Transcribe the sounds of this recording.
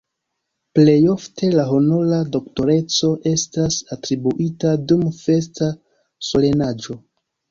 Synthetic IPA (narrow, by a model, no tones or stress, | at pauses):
ple̞jo̞ftʰe̞laɦonolado̞kto̞ɾe̞t͡so̞ʔe̞stasatɾibuʔitadumfe̞sta | so̞le̞nad͡ʒo̞